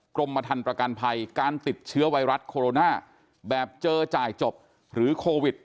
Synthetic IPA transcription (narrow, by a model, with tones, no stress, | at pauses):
kɾo˧mːpa˧t̪ʰa˧npɾa˧ka˧npʰa˧jkaː˧nt̪i˨˩t̪̚t͡ɕʰɯ˦˥ɐwa˧˥jɾa˦˥t̪̚kʰoː˧ɾoː˧naː˥˩ | bɛː˨˩p̚t͡ɕɤː˧t͡ɕaː˨˩jt͡ɕo˨˩p̚ | ɾɯː˩˦kʰoː˧wi˨˩t̪̚